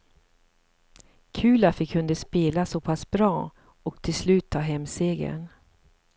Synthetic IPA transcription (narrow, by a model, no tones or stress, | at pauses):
kʰʉ̟ːlafɪkʰːɵnd̪əspeːlasɔpʰasbɾɑː | ɔk̚t̪ʰɪlslʉ̟ːt̪ʰːɑːɦɛmːseːɡə̰n